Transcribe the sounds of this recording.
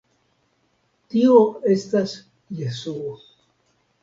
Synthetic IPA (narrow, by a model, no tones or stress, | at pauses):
t̪ioest̪as | jesuo